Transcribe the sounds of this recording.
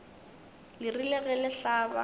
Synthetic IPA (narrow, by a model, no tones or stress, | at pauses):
lɪrilɛɣɛlɪɬaːba̰